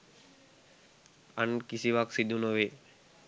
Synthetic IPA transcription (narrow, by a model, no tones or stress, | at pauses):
ankisiʋaksid̪ʱunoʋe